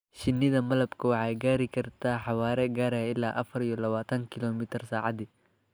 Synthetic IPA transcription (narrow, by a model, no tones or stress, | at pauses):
ʃɪnːɪðɐmɐlɐbkʰɐwɑħɑːjɡaːɾɪkʰɐrt̪ʰaːħɑwaːɾɛɡaːɾɐjɐɪlaːʔɐfɐɾijɔlɐβaːt̪ʰɐŋkʰɪlɔːmɪt̪ʰɪrsaːʕɑd̪ɪ